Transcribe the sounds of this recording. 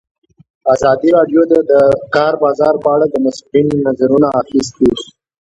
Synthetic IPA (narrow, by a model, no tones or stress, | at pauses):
azɑd̪iɾɑɖjod̪əd̪əkɑɾbɑzɑɾpəaɽad̪əmasulinnazaɾunaaxist̪i